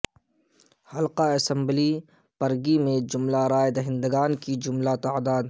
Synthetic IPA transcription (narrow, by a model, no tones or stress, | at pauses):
hɐlqaɐsə̃mbli | pɐɾɡimẽd͡ʒʊmlaɾaːjed̪ɐɦɪ̃nd̪əɡaːnkid͡ʒʊmlat̪aːd̪aːd̪